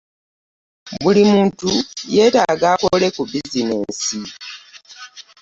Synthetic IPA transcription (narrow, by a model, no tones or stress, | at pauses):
βulimuːntuje̞ːtaɡaːkole̞kubizineːnsi